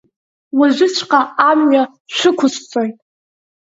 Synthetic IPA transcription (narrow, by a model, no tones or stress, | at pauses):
waʒʷᶣɪt͡ʃʷʰqʼaːmɥa | ʃʷɨkʷʰʊst͡sʼojtʼ